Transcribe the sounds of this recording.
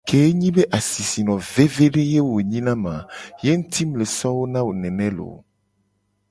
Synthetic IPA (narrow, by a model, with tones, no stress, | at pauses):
ke˨˦ɲĩ˦be˦ʔa˨si˨si˨nɔ̃˨ve˦ve˦ɖe˦je˦wo˨ɲĩ˦nã˦mã˨je˦ŋũ˦t̪i˦mle˨sɔ˦wo˦nã˦wo˨nɛ̃˨nɛ̃˦lo̰˨